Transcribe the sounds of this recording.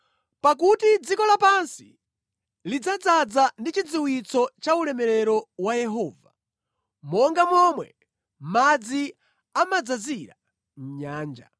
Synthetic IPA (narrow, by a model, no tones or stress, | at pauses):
pak̬utid͡zikɔlapansi | lid͡zad͡zad͡zandit͡ʃid͡ziwit͡sɔt͡ʃaulɛmɛɾɛɾɔwajɛɦɔːva | mɔŋɡamɔmwɛ | mad͡zi | amad͡zaziɾa | m̩ɲaːnd͡ʒa̰